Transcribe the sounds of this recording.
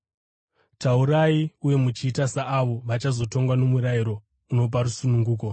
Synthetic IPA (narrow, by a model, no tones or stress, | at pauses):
tauɾaiuje̞mut͡ʃiːtasaʔːʋo̞ʋat͡ʃazo̞to̞ŋɡwano̞muɾaiɾo̞ | uno̞p̬aɾusunuŋɡuːko̞